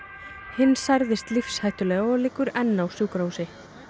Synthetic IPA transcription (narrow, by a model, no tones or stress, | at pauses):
hɪnːsajɾðɪst̪lifshajht̪ʏlɛːɣaɔɣlɪːkːʏɾɛnːawsjuːwkɾawsɪ